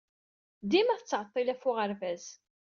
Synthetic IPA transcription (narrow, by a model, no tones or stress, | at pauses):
d̪imæθət͡sːʕət̪ˤːilæfʊʁəɾvæz